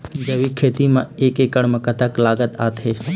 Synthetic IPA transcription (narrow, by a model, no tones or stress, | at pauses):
d͡ʒɐʋikʰeːt̪imãeːkeːkəɽ̃mãkət̪əklaːɡət̪aːt̪ʰeː